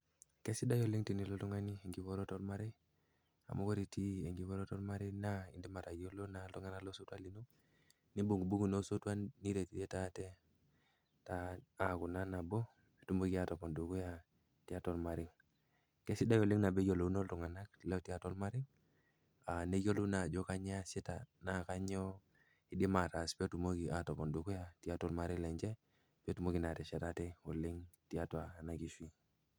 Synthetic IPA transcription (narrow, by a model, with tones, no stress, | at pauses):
ke˦si˦da˦jo˨li˦ŋti˨ni˨lo˦tu˦ŋa˦ni˦˨ŋɡi˨ko˦ɾo˦tɔ˦lma˦ɾi˦ | a̰˨mu˦ko˦ɾi˨ti˦e˨ŋɡi˨˦βo˦ɾo˦to˦lma˦ɾi˦na˦i˨ndi˦ma˨ɾa˨jo˦lo˦na˨˦ltu˦ŋa˦na˦lo˦so˦twa˦li˨no˦ | ni˦bu˨ŋɡu˨bu˦ɡu˨no˦so˦twa˦nːi˦ɾe˨ti˨e˦ta˦te˦ | ta˦a˨ku˨na˦na˨bo˦ | e˨tu˦mu˦ki˦a˨to˨po˨ndu˨ɡu˦ja˨ | ti˦a˦tɔ˦lma˨ɾɪ˦ŋ | kɛ˦si˦da˦jo˨li˦ŋna˨bɛ˦jo˨lo˨u˦no˦ltu˨ŋa˨na˦k̚lɛ˦˨ti˨a˦tɔ˦lma˦ɾi˦ŋ | a˨ne˦jo˦lu˦na˨d͡ʒɔ˦ka˦ɲ˦a˦si˦ta˨na˨ka˦ɲɔ˦ | i˦di˦ma˨ɾa˨spɛ˦tu˨mo˦ɡi˨a˨tɔ˨pɔ˨ndu˨ku˦ja˨ti˨a˦tɔ˦lma˨ɾi˦ŋlɛ˨ɲd͡ʒɛ˦ | pɛ˦tu˨mo˦ɡi˨na˨tɛ˨ʃɛ˨ta˦tɛ˦o˨li˦ŋti˦a˦twaː˨na˨ki˨˦ʃwi˦